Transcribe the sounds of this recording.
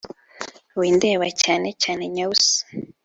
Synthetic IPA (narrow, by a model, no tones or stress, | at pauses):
wiːndeːwacaːnecaːne̞ɲaus